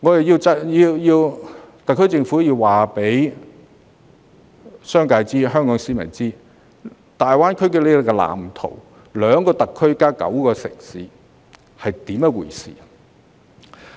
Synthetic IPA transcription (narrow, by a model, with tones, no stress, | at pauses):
ŋɔː˨˧jɐ˨jiː˧wt͡sɐ˥jiː˧wjiː˧wt̪ɐ˨kʰːɵ˥t͡sɪ˧ŋfuː˨˥jiː˧wwaː˨˩pe˨˥j | sœː˥ŋkaː˧jt͡siː˥ɦœː˥ŋkɔː˨˥ŋsiː˨˥mɐ̰˨˩nt͡siː˥ | t̪aː˨jwaː˥nkʰɵ˥ɥkle˨˧to˨kɛ˧la̰ː˨˩mt̪ʰo̰˨˩w | lœː˨˧ŋkɔː˧t̪ɐ˨kʰːɵ˥ɥkaː˥kɐ̰˨˥wkɔː˧sɪ̰˨˩ŋsiː˨˥ | hɐ˨jt̪iː˨˥mɛ˧wṵː˨˩jsḭː˨